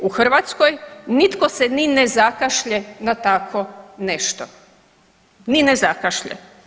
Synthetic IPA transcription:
uxr̩ʋat̪skojnit̪koseninezakaʃʎenat̪akʰoneʃt̪o | ninezakaʃʎḛ

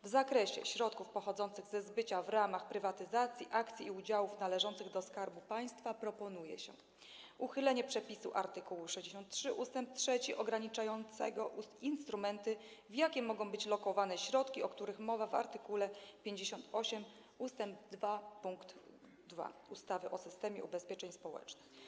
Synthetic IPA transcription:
vzakɾɛɕɛ̰ɕɾɔt̪kufpɔxɔd̪zɔnt̪sɘɣzɛzbɘt͡ɕavɾamaxpɾɘvat̪ɘzat̪sʲjiʔakt̪sʲiiud͡ʑawufnalɛʐɔnt̪sɘɣd̪ɔskaɾbupaj̃st̪fapɾɔpɔnujɛ̰ɕɛ̰ | uxɘlɛɲɛpʂɛpʲisuʔa̰ɾt̪ɘkuwuʂɛʑd͡ʑeɕɔ̃nt̪tʂɘʔust̪ɛmp̚tʂɛt͡ɕiʔɔɡɾaɲit͡ʂajɔnt̪sɛ̰ɡɔʔuinst̪ɾumɛnt̪ɘvjakʲɛmɔɡɔ̃w̃bɘt͡ɕlɔkɔvanɛɕɾɔt̪kʲiɔkt̪uɾɘxmɔvava̰ɾt̪ɘkulɛpʲjeɲd͡ʑeɕɔnt̪ɔɕɛm | ust̪ɛmb̚d̪vapuŋkt̪ | d̪va̰ust̪avɘʔɔsɘst̪ɛmʲjɛ̰ubɛspʲjɛt͡ʂɛɲspɔwɛ̰t͡ʂnɘx

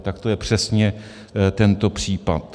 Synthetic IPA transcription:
t̪akt̪ojɛpr̝̥ɛsɲɛ | t̪ɛnt̪o̞pr̝̥iːpat̪

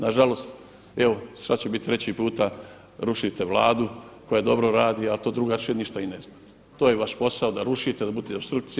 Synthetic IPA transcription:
naʒalo̞st̪ | eʋosɾat͡ɕebit̪t̪ːɾe̞t͡ɕipuːt̪a | ɾuʃit̪e̞ʋlaːd̪uko̞jad̪o̞bɾoɾaːd̪ialt̪o̞ːd̪ɾuɡat͡ʃeniʃt̪ainezna | t̪oːjeʋaʃpo̞saod̪aɾuʃit̪ed̪abud̪eobst̪ɾuk̚t̪si

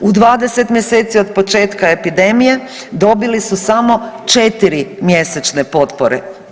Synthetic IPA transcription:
ud̪ʋaːd̪e̞se̞t̪mjeseːt̪sio̞d̪po̞t͡ʃe̞ːt̪kae̞pid̪e̞mije̞ | d̪o̞bilisusamo̞t͡ʃet̪iɾimjeset͡ʃnepo̞t̪poɾḛ

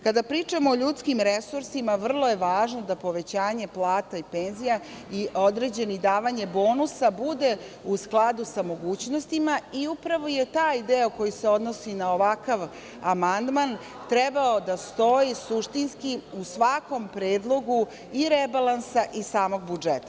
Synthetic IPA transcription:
kad̪apɾiːt͡ʂamoːʎut̪skimɾesuɾsimaʋr̩lˠo̞je̞ʋaːʒnod̪apo̞ʋe̞t͡ɕaːɲe̞plˠaːt̪aipe̞ːnzija | iʔod̪ɾe̞d͡ʑenid̪aːʋaɲebo̞ːnusabud̪e̞ | usklˠad̪usamo̞ɡuːt͡ɕno̞st̪imaiupɾaʋo̞je̞t̪aːjd̪eoko̞juseo̞d̪no̞sinaoʋakaʋ | amand̪man | t̪ɾɛbao̞d̪ast̪o̞jisuʃt̪inskiusʋako̞mpɾeːd̪lˠo̞ɡu | iɾebalˠansaʔisaːmo̞ɡbud͡ʒet̪ḁ

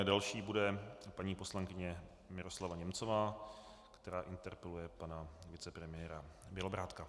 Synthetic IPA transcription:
dalʃiːbudɛpaɲiːpo̞slaŋkɪɲɛ | mɪɾo̞slavaɲɛmt͡so̞vaː | kt̪ɛɾaːʔɪnt̪ɛɾpɛlujɛpanavɪt͡sɛpɾɛmɪjɛːɾabjɛlobɾaːt̪ka

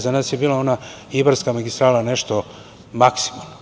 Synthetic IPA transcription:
zanaːsjebiːlao̞naibaɾskamaɡist̪ɾaːlaneʃt̪o | maksi̥momno

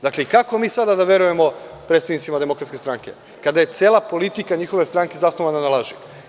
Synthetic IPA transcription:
d̪akle̞ikako̞miːsad̪ad̪aʋe̞ɾuje̞mo̞pɾet̪t̪aʋnit̪simad̪e̞mo̞kɾat̪skʲest̪ɾaːŋke̞̰ | kad̪aje̞t̪sjeːlapo̞lit̪ikaɲiːxo̞ʋe̞st̪ɾaːŋke̞zasnoʋananalˠaʒi

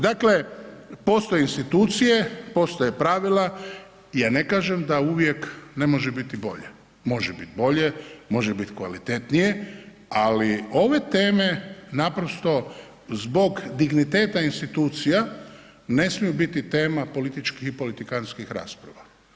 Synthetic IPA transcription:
d̪akle̞po̞st̪o̞jeinst̪it̪uːt̪sije̞po̞st̪ojepɾaʋila | ijaːne̞kaːʒemd̪auʋje̞kne̞mo̞ʒebit̪ibo̞̰ʎḛ | mo̞ʒebit̪̚bo̞ʎe̞mo̞ʒebit̪kʋa̰lit̪e̞t̪nije̞ | alio̞ʋe̞t̪e̞ːme̞napɾo̞st̪o̞ | zbo̞ɡd̪iɡnit̪e̞ːt̪ainst̪it̪uːt̪sija | ne̞smijubit̪it̪e̞ːmapo̞lit̪it͡ʃkixipo̞lit̪ikanskixɾa̰ːspɾa̰ʋa

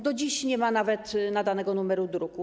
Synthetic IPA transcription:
d̪ɔd͡ʑiɕɲɛmanavɛt̪nad̪anɛɡɔnumɛɾud̪ɾuku

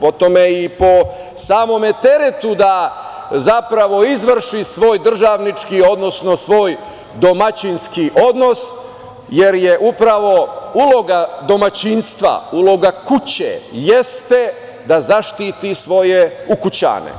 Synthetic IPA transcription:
po̞t̪omeipo̞ | saːmo̞met̪e̞ɾet̪ud̪a | zapɾaʋo̞izʋr̩ʃisʋo̞ːjd̪r̩ʒaːʋnit͡ʃkio̞d̪no̞sno̞sʋo̞ːj | d̪o̞mat͡ɕinskiʔo̞d̪no̞s | je̞ɾjeʔupɾaʋo̞ulo̞ɡad̪o̞mat͡ɕinst̪ʋa̰ulo̞ɡakut͡ɕḛjest̪e | d̪azaʃt̪iːt̪isʋo̞jeukut͡ɕa̰ːnḛ

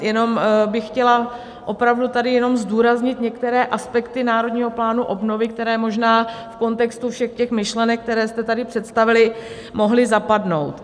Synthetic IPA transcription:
jɛno̞mbɪxxcɛla | ʔo̞pɾavdut̪adɪjɛno̞mzduːɾazɲɪt̪ɲɛkt̪ɛɾɛːʔaspɛkt̪ɪnaːɾo̞dɲiːɦo̞plaːnuʔobno̞vɪkt̪ɛɾɛːmo̞ʒnaːfko̞nt̪ɛkst̪ufʃɛxcɛxmɪʃlɛnɛk̚ːt̪ɛɾɛːst̪ɛt̪adɪpr̥ɛt̪st̪avɪlɪ | mo̞ɦlɪzapadno̞̰wt̪

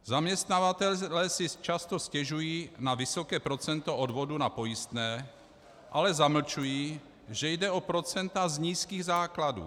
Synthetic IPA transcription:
zamɲɛst̪navat̪ɛllɛːsɪt͡ʃast̪o̞scɛʒujiːnavɪsokɛːpɾo̞t͡sɛnt̪o̞odvo̞dunapo̞jɪst̪nɛː | ʔalɛzaml̩t͡ʃujiː | ʒɛjdɛopɾot͡sɛnt̪azɲiːskiːɣzaːkladṵː

